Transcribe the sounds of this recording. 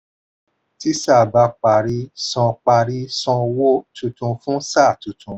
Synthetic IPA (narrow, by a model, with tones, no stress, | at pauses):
ti˦sa˦˨ba˧k͡pa˨ɾi˧sɔ̃˧k͡pa˧ɾi˧sɔ̃˧wo˦tu˧tũ˧fũ˦sa˦˨tũ˨˧tʰũ˧